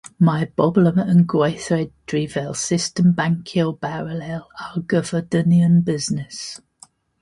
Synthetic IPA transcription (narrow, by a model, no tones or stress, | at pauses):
maɪb̥ɔbləmə̃nɡweɪθɹɛd̥ɹiːvɛlˠsɪstə̃mbãŋkʰəlˠb̥aɹəlɛlalɡəvədəniə̃nbɪznɪs